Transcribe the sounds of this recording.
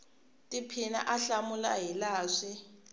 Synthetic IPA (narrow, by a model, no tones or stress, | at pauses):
tʼipʰina̰ʔaɬamʊlaɦilaːʂɪ